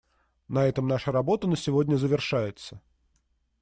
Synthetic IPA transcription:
nɐɛt̪əmnaʂɨɾɐbo̞t̪ənəsʲɪvodʲnʲəzəvʲɪrʂajɪt̪sə

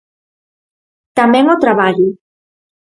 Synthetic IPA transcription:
t̪amɛŋot̪ɾaβaʎu

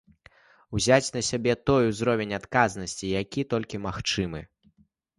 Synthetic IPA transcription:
wzʲat͡sʲnɐsʲabʲɛt̪ɔjuzɾɔvʲenʲat̪kaznɐsʲt͡sʲijakʲit̪ɔlʲkʲimaxt͡ʂɨmɨ

